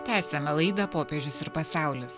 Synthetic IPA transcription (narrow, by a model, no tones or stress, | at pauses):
t̪ʲæːsʲɛmʲɛlˠɐɪd̪ɐpoːpʲeʒʲʊsɪɾpɐsʲɑˑʊlʲʊs